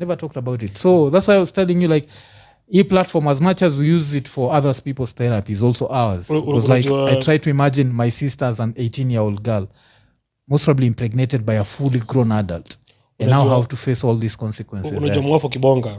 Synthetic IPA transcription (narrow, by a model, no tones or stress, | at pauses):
nɛvə˞tʰɔk̚təbaʊɾɪtsoʊðatswaɪaɪwɔz̥tʰɛlˠɪ̃ŋjɨlaɪk | ipl̥atfɔɹməzmʌt͡ʃɨzwijuzɪtfə˞ʌðə˞z̥pipl̩ˠz̥θɛɹɨpizɔlˠsoʊʔaʊə˞zwɔzlaɪkaɪtɹaɪd̚tʰɨimad͡ʒɨ̃nmaɪsistə˞zə̃neɪtʰĩnjəoʊlˠd̚ɡɜ˞l | moʊspɹʌbliɪ̃mpɹɛɡ̚neɾɨd̚baɪəfulˠiɡɹõnadə̰lˠt | ɨ̃nnːaɦavtufesɔlˠðiskɔ̃nsɨkwɛ̃nsɨznd͡ʒamwafɔkiɓɔŋɡa